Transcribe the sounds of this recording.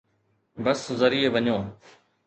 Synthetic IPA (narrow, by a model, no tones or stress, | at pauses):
bəszəɾiːeʋəɲõː